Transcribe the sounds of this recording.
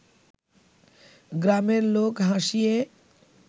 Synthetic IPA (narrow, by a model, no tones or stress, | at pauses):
ɡɾaːmeɾloːkɦãːʃiẽ